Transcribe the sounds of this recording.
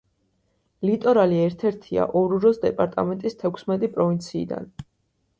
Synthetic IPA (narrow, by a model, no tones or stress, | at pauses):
lit̪ʼɔɾaliɛɾt̪ʰɛɾt̪ʰia̰ʔɔɾuɾɔsd̪ɛpʼaɾt̪ʼa̰mɛnt̪ʼist̪ʰɛkʷʰsmɛt̪ʼipʼɾɔvint̪sʰḭːd̪a̰n